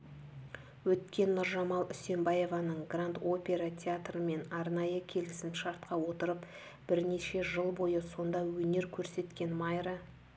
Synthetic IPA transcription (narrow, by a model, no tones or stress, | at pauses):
wɵt̪̚kʲe̞nːʊɾʒɑmɑlˠʏse̞mbaje̞vɑnəɴɡrant̪o̞pʲe̞ɾat̪ʲʰeat̪rəme̞nɑɾnɑjəkʲʰe̞lɪsɪmʃɑɾt̪̚qɑwo̞t̪əɾəp | b̥ɪɾne̞ʃe̞ʒəlˠbo̞jəso̞nd̪ɑwɵne̞ɾkʲʰɵɾse̞t̪kʲe̞nmɑjɾə